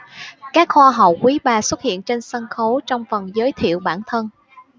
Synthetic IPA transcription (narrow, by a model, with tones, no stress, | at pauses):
kaː˦˥k̚xwaː˧ɦə˨˩wkwi˨˦ɓaː˨˩swə˦˥t̚hḭ˧˨ənt͡ɕe˧nsə˧nxo˨˦t͡ɕɔ˧wŋ͡mfə˨˩nzəː˨˦jt̪ʰḭ˧˨əwɓaː˧˩nt̪ʰə˧n